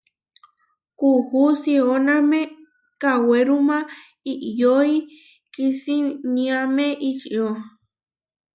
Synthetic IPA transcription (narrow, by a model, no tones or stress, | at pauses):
kuhusioname | kaweɾumã | iʔjoi | kisiɲĩameʔit͡ʃiʔo